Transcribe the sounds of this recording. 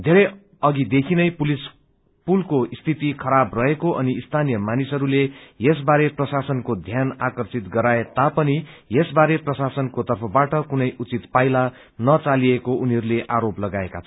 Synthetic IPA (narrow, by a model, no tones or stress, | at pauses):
d̪ʱeɾʌj | ʌɡid̪ekʰinʌjpulis | pulkoist̪ʰit̪ikʰʌɾabrʌɦekoʔʌniist̪ʰanijʌmanisɦʌɾulejes̬baɾeprʌsasʌnkod̪ʱjanakʌrsit̪ɡʌɾaet̪apʌnijesbaɾeprʌsasʌnkot̪ʌrpʰʌbaʈʌkunʌjʔut͡sit̪pajla | nʌt͡saliekoʔuniɦʌɾuleʔaɾoplʌɡaekat͡sʰʌ